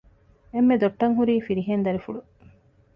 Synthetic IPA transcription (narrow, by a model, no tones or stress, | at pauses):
emːed̪oʈːɐŋɦuɾiːfiɾiɦend̪ɐɾifuɽu